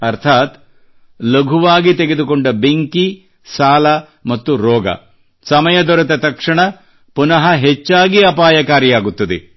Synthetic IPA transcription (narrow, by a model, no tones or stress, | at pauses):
ɐɾt̪ʰaːt̪ | lɐɡʱuʋaːɡit̪eɡed̪ukoɳɖɐbeŋki | saːlɐ | mɐt̪ːuɾɔːɡɐ̰ | sɐmɐjɐd̪ɔɾɐt̪ɐt̪ɐkʂɐɳɐ | punɐɦɐɦet͡ʃːaːɡiɐpaːjɐkaːɾjijaːɡut̪ːɐd̪ḛ